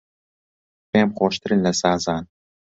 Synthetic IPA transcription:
peːmχoːʃt̪ʰɨɾɨnlɐsɑːzɑːn

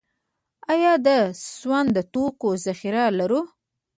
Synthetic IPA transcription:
ɑjɑd̪əzwand̪ət̪okozaxiɾalaɾu

